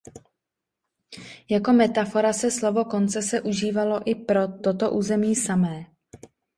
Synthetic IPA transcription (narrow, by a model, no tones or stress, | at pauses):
jako̞mɛt̪afo̞ɾasɛslo̞vo̞ko̞nt͡sɛsɛʔuʒiːvalo̞ʔɪpɾo̞t̪o̞t̪o̞ʔuːzɛmiːsamɛː